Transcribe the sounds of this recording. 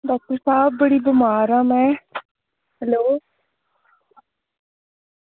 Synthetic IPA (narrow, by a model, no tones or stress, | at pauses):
ɖɔːk̚t̪əɾsaːb̚bəɽiːbəmaːɾãːmɛ̃ː | hɛloː